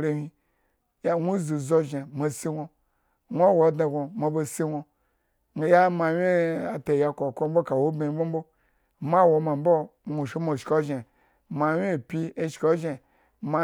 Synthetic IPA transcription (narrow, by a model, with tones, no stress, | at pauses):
ɾe˨hi˧ | ja˦ŋʷu˦zu˨zo˦ʒe˨ma˨si˦ŋʷo˧ | ŋʷ˦a˦wo˨˦da˨ɡo˨mo˨bo˧si˦ŋʷo˧˨ | ja˦ma˨wʲe˦a˨te˨ja˨ko˨ko˦m̩˦o˦ka˨wo˦be˨˦bo˦m̩˦bo˦˨ | ma˦wo˨˧ma˨mbo˦ŋʷo˨ʃi˦mo˨ʃko˦ʒe˨ | ma˨wʲe˦˨pʲi˦e˦ʃko˦ʒe˨ | ma˨˦